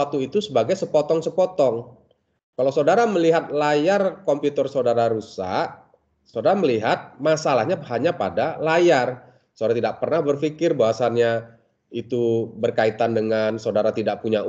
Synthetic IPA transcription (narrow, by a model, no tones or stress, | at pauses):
at̪uit̪usəbaɡajsəpɔt̪ɔŋsəpɔt̪ɔŋ | kalawsadaɾaməliɦat̪̚lajarkɔmpjut̪ərsawdaɾaɾusa̰ʔ | sawdaɾaməliɦat̪̚masalahɲahaɲapadalajar | sadaɾat̪idaʔ̚pərnahbərfikɪrbaɦasanɲa | it̪ubərkait̪andəŋansaodaɾat̪idaʔpuɲa